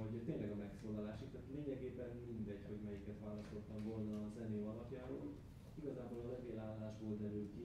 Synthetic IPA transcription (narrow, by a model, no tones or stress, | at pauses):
oɟt̪eːnlɛɡɒmɛksoːlːɒlaːʃikt̪ɛt̪ːleːɲɛɡeːbɛnmind̪ɛɟho̞ɟmɛjikɛt̪ʋaːlɒst̪ot̪ːɒɱvo̞lnɒːzɛneːɒlɒpjaːɾo̰ː | iɡɒzaːbolɒlɛveːlaːlːaːʒboːld̪ɛɾylki